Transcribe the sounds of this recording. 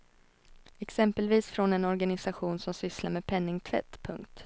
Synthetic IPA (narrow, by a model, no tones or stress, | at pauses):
ɛksɛmpəlviːsfɾɔnɛnɔɾɡanɪsaɧuːnsɔmsʏslaɾmeːdpʰɛnːɪŋt̪ʰvɛ̰t̪ːpʰɵŋkt̪